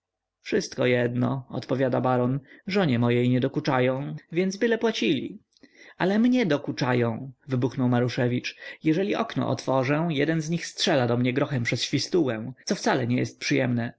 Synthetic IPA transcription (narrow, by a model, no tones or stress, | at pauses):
fʂɘst̪kɔjɛd̪nɔ̰ɔ̰t̪pɔvʲjad̪abaɾɔnʐɔɲɛmɔjejɲɛd̪ɔkut͡ʂajɔ̃w̃vʲjɛnd̪zbɘlɛpwat͡ɕilʲḭ | alɛmɲɛd̪ɔkut͡ʂajɔ̃w̃vɘbuxnɔwmaɾuʂɛvʲit͡ʂjɛʐɛlʲiʔɔknɔ̰ʔɔ̰t̪fɔʐɛ̃jɛd̪ɛnzɲixstʂɛlad̪ɔmɲɛɡɾɔxɛmpʂɛsɕfʲist̪uwɛ̃t̪sɔft̪salɛɲɛjɛst̪̚pʂɨjɛmnɛ